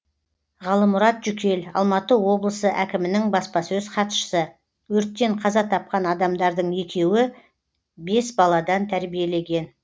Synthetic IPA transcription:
ʁɑlˠəmʊɾɑt̪ʒ̥ʏkʲe̞lɑ̰lˠmɑt̪əwo̞blˠəsəʔækʲɪmɪnɪŋbɑspɑsɵzqʰɑt̪ʃə̥sə | wɵɾt̪̚kʲːe̞ɴqʰɑzɑt̪ʰɑp̚qɑnɑd̪ɑmd̪ɑɾd̪əɴje̞kʲe̞wɪ | be̞sbɑlˠɑd̪ɑnt̪ʰæɾbije̞le̞ɡʲe̞n

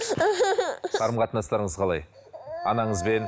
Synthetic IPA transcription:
qʰɑɾəmqʰɑt̪ənɑst̪ɑɾəɴəzqʰɑlˠɑ̰j | ɑ̰nɑɴəzbe̞n

